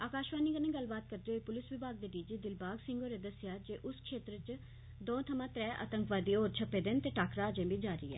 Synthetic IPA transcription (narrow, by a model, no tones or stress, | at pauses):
aːkaːʃʋaːniːɡənẽːɡəlbaːt̪̚kəɾd̪eːɦoːipʊlɪsʋɪbaːɡ̚d̪eːɖiːd͡ʒiːd̪ɪlbaːɡsɪ̃ŋɡoːɾeːd̪əsɪjaːd͡ʒeːʔʊskʃeːt̪ɾət͡ʃ | d̪õːt̪ʰəmãːt̪ɾɛːʔə̰t̪əŋkʋaːd̪iːoːɾt͡ʃʰəpːeːd̪eːnt̪eːʈaːkɾaːd͡ʒẽːbiːd͡ʒaːɾḭːɛ̰ː